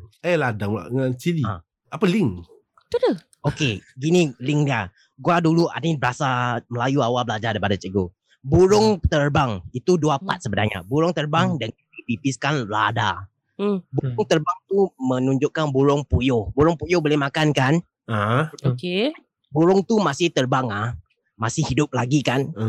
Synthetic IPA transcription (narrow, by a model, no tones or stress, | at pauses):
əladaa̰ʔŋant͡ʃiliã̰ | ʔapəliŋ | t̪udu | okeɡiniliŋdia | ɡuadulua̰nibəɾasaməlajuawabəlad͡ʒadaipadat͡ʃəɡo | buɾʊŋt̪ərbaŋit̪uduapa̰t̪̚səbədaɲa̰buɾʊŋt̪ərbaŋdandipipiskanla̰da | buɾʊŋt̪ərbaŋt̪umə̃nũɲd͡ʒʊʔkanbuɾʊŋpujʊhbuɾʊŋpujʊhbolehmakankan | aoke | buɾʊŋt̪umasɪht̪ərbaŋah | masɪhidʊp̚laɡikan